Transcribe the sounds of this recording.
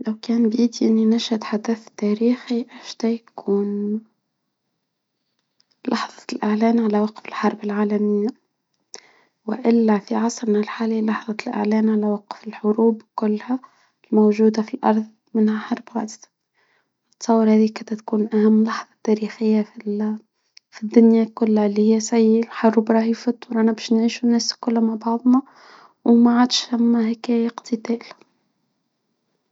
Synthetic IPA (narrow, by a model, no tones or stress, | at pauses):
lawkæːnbjiːd̪iʔɪnːinaʃat̪ħad̪aθt̪ːæːɾiːxiʔɪʃd̪æjakʰuːn | lɑħðˤɑ̥lʔɪʕlæːnʕalawaqfɪlħɑɾˤbɪlʕaːlamɪjːa | wɪ̰ʔɪlːafiʕɑsˤɾnalħaːlilɑħðˤɑlʔɪ̰ʕlæːnʕalawaqfɪlħʊɾuːbkʊlːha | lmowʒuːd̪afilʔɑ̰ɾˤðˤ | mɪnhaħɑɾˤbwa̰ʕd̪ | ɨt̪ːsˤɑwːəɾhæːðikæt̪æt̪kuːnʔæhæmːlɑħðˤɑt̪ːæːɾixɪjːafi | fid̪ːʊnjakʊlːhalːihɪjːæsæjːɪlħɑrˤːʊbɾˤɑːhifɑt̪ˤːʊɾˤʔænæbæːʃnʕiːʃunæːskʊlːmaʕbɑʕðˤnɑ | wmaʕaːd̪ʃθæmːæhækæjqt̪ɪt̪æːl